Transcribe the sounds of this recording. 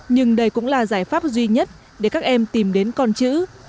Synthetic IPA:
ɲɨ˧ŋɗə˧jkʊ̰˧˥ŋ͡mlaː˨˩zaː˧˩jfaː˦˥p̚zwi˧ɲə˦˥t̚ | ɗe˧˩kaː˦˥k̚ʔɛ˧mt̪i˨˩mɗe˨˦nkɔ˧nt͡ɕɨ̰˧˥

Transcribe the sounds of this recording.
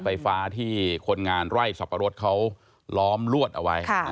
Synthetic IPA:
fa˧jfaː˦˥t̪ʰiː˥˩kʰo˧nŋaː˧nɾa˥˩jsa˨˩pʰːa˧ɾo˦˥t̪̚kʰa˦˥w | lɔː˦˥mlu˥˩ət̪̚ʔa˧wa˦˥jkʰa˥˩

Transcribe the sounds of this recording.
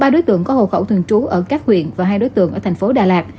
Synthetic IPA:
ɓaː˧ɗo˨˦jt̪ɨ̰˧˨əŋkɔ˨˦ho̰˧˨xə˧˩wt̪ʰɨ˨˩əŋt͡ɕu˨˦ʔəː˧˩kaː˦˥k̚hwḭ˧˨ənvaː˨˩ɦaː˧jɗo˨˦jt̪ɨ̰˧˨əŋʔəː˧˩t̪ʰŋ̟fo˨˦ɗaː˨˩laː˨˩k̚

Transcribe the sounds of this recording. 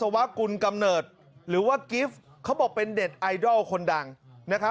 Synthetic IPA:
sa˧wa˦˥ʔku˧nka˧mnɤː˨˩t̪̚ | ɾɯː˩˦waː˥˩ki˦˥f | kʰa˦˥wbɔː˨˩k̚pe˧ndeː˨˩t̪̚ʔa˧jdɔː˥˩wkʰo˧nda˧ŋ | na˦˥kʰa˦

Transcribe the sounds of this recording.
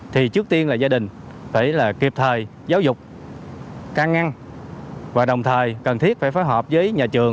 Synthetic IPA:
t̪ʰi˨˩t͡ɕɨ˦˥k̚t̪i˧ənlaː˨˩zaː˧ɗï˨˩ŋ̟ | faː˧˩jlaː˨˩ki˨˩əp̚t̪ʰəː˨˩j | zaː˨˦wzʊ˨˩k͡p̚ | kaː˧ŋa˧ŋ | vaː˨˩ɗə˨˩wŋ͡mt̪ʰəː˨˩jkə˨˩nt̪ʰi˦˥əfaː˧˩jfaː˨˦jɦɔː˨˩p̚zəː˨˦jɲaː˨˩t͡ɕɨ˨˩əŋ

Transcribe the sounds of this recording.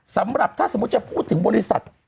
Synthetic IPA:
sa˩˦mɾa˨˩p̚t̪ʰaː˥˩so˩˦˥t̪̚t͡ɕa˨˩pʰuː˥˩t̪ʰːɯ˩˦ŋbɔː˧ɾi˦˧˥sa̰˨˩t̪̚

